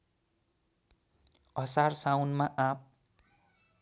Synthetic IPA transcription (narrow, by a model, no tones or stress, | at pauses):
ʌsarsawnmaʔap̚